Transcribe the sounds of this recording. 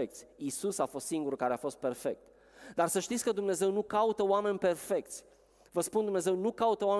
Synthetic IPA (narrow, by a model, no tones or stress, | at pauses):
ekt̪sʲisusafo̞st̪siŋɡuɾukaɾeafo̞st̪̚pe̞rfek̚t̪ | d̪arsəʃt̪it̪sʲkəd̪umne̞ze̞wnukaut̪əowame̞nʲpe̞rfe̞k̚t̪sʲ | vəspund̪umne̞ze̞wnukaut̪əoam